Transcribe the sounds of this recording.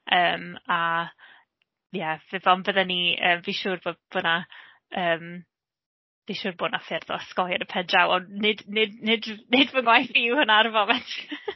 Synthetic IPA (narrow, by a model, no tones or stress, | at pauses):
əːma | jɛvɪvɔnbəðɛniəːmviʃuːrboːdb̥ona | əːm | viːʃuːrboːnafɪrðɔ̰skɔjəɾəpʰɛdawɔnɪdnɪdnɪdnɪdvəŋwajθiwhənarvɔmɛntʰ